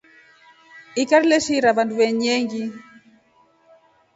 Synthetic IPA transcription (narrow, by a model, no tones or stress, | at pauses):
ikaɾilɛʃiɾaβanduβɛɲɛŋɡi